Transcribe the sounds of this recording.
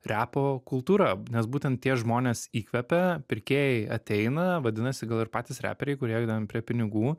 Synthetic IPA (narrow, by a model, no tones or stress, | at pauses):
ɾʲæːpoːkʊlˠt̪uːɾɑnʲɛsbuːt̪ʲɛnt̪̚t̪ʲiɛʒmoːnʲeːsiːkʋʲɛpʲɛpʲɪɾʲkʲeːjɛɪɐt̪ʲɛɪnɐʋɐd̪ʲɪnɐsʲɪɡɐlˠɪɾpɑːt̪ʲɪsɾʲæ̰ːpʲɛɾʲɛɪkʊɾeːjɡd̪ɐmpʲɾʲiɛpʲɪnʲɪɡuː